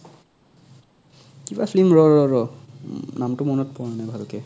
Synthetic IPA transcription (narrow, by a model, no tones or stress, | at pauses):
kibafʰlimɹɔɹɔɹɔ | namtʊmɔnɔt̚pɔɹanajbʱalɔkɛ